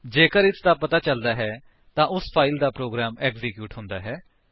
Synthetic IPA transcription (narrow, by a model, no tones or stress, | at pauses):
d͡ʒeːkəɾɪt̪ʰd̪aːpət̪aːt͡ʃəld̪aːɦɛː | t̪ãːʔʊspʰaːild̪aːpɾoːɡɾaːmɛːkzɪkjuːʈɦʊ̃nd̪aːɦɛː